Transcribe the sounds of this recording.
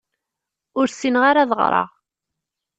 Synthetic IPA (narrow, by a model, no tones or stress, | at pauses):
ʊɾsinʁaɾaðəʁɾˤɑ̰ʁ